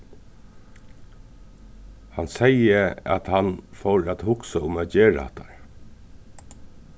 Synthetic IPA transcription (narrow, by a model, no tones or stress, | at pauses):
hansɛjəæ̰t̪hanfɔwɹæt̪hʊksaʊmæt̪̚d͡ʒeːɹa̰a̰ht̪a̰ɹ